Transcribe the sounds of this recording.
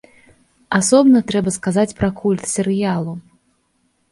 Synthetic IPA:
asɔbnɐt̪ɾɛbɐskazat͡sʲpɾɐkʰulʲt̪sʲɛɾɨjalˠu

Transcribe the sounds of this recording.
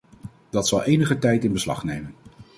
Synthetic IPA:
d̥ɑtsɑlˠejnəχətɛjtɪnbəslɑ̰χnejmən

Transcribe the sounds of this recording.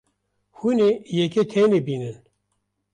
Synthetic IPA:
huneːjɛket̪ʰeneːbiːnɨn

